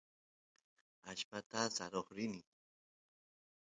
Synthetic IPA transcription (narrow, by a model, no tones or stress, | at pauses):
aʃpat̪asaɾoχɾɪnɪ